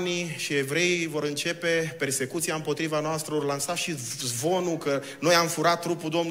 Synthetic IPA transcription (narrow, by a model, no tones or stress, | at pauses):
niʃie̞vɾe̞ivo̞ɾɨnt͡ʃe̞pe̞pe̞rse̞kut̪siaɨmpo̞t̪ɾivanoast̪ɾəorlansaʃizvo̞nukə | no̞jamfuɾat̪ːɾupud̪o̞mn